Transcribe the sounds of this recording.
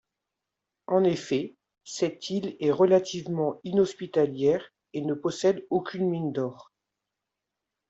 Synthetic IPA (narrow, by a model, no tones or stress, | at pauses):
ɑ̃nefɛ | sɛt̪ʰilɛʁəlat̪ʰivmɑ̃inɔspit̪aljɛʁ | enəpɔsɛd̪okʲynmind̪ɔːʁ